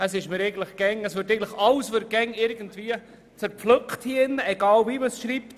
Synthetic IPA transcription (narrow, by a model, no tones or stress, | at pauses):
əsɪʃmɪɾɛɪɡən̩tləχɡ̥ɛŋəsʋøɾtɛɪɡntlə̥χɑlsʋøɾt̚ɡ̥ɛŋːɪɾɡəntviə | t͡sɛɾflɵkχthiːɪnːəɛɡɑːlviməsʃɾiːpt